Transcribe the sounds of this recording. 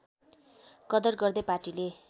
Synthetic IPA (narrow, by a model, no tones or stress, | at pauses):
kʌd̪ʌrɡʌrd̪ʌparʈile